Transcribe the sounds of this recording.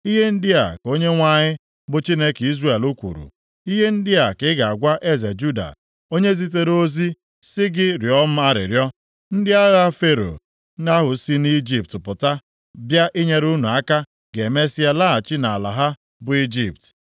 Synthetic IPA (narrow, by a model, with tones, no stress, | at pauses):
i˦ɦe˦n̩˦dɪ˦a̰˨ko˦ɲe˦ŋʷa˦ɲɪ˦ | bʊ˦t͡ʃi˦ne˦ki˦zɾe˦˨e˨lu˦kʷṵ˨ɾṵ˨ | i˦ɦe˦n̩˦dɪ˦a˨kɪ˦ɡa˨a˨ɡʷa˦ʔe˦ze˨d͡ʒu˦da̰˨ | o˦ɲe˦zi˦t̬e˦ɾo˦zi˦ | sɪ˦ɡɪ˦ɾjɔ˦m̩˦a˦ɾɪ̰˨ɾjɔ˦ | n̩˦dɪ˦a˦ɣa˦fe˦ɾo̰˨ | na˦ɦʊ˨si˦ni˦d͡ʒi˦p̚tɪ˨pʊ˨ta˦ | bja˦ʔi˦ɲe˦ɾu˦nu˨a˦ka˦ | ɡe˨me˦si˦a˦˨la˦a˨t͡ʃɪ˦na˨a˨la̰˨ɦa˦ | bʊ˨i˦d͡ʒi˦˨pt